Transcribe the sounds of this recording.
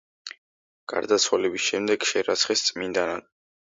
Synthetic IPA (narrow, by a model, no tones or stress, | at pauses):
ɡ̥a̰ɾd̪at̪sʰwalɛbisʃɛmd̪ɛɡ̥ʃɛɾat̪sʰχist̪sʼmind̪anad̪̚